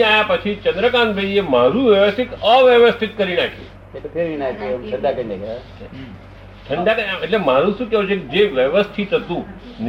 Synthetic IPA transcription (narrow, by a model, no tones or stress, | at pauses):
aːjapət͡ʃʰit͡ʃə̃nd̪ɾəkãːnbʱəiemaːɾuːʋjəʋəst̪ʰɪt̪əʋjəʋəst̪ʰit̪̚kəɾinaːkʰḛ | ek̪opʰeɾʋinat̪emʈʰə̃ɳɖ̪akə̃ɳeka | ʈ̪ʰəɳɖakəãɐʈlemaɾũsũkɛut͡ʃʰekid͡ʒeʋjəʋəst̪ʰit̪ət̪ũ | n